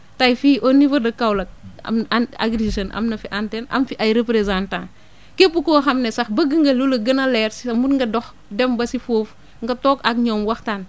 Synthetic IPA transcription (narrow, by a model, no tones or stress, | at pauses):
tajfiːʔonivɐdɐkawlɐk̚a̰ma̰ɡɾisɐnʔɐ̰mnɐfiʔantenɐ̰mfiʔajɾepɾezãntã | kepːukoxɐmnesɐxbɐɡəŋɡɐlulɐɡɐnɐlɛːɾsisɐmutŋɡɐdɔx | dɛmbɐsifoːf | ŋɡɐtoːkak̚ɲoːmwɐxtan